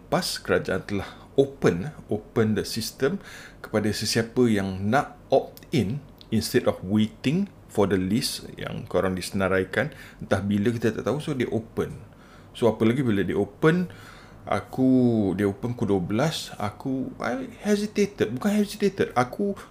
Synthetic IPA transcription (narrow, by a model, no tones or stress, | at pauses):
paskəɾad͡ʒaʔant̪əlah | opənəopəndəsist̪əmkə̥padasəsiapəjaŋnat̪̚ | ɔp̚ | in | inst̪ɛdɔfwet̪ɪŋ | fɔdəlisjã̰ŋkəoɾaŋdisənəɾajkannt̪ahbiləkit̪ət̪a̰ʔt̪ausodeʔopən | soapəlaɡibilədeʔopən | ʔa̰kudeopənkuduəbəlasa̰kua̰jhɛsit̪et̪ət̚bukanɦɛsit̪et̪əd̚akʰu